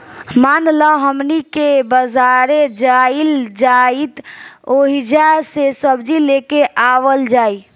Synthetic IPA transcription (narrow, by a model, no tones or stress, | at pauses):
manlaɦəmnikebəzaɾed͡ʒaild͡ʒait̪oɦid͡ʒasesəbd͡ʒilekeʔaʋəld͡ʒaːi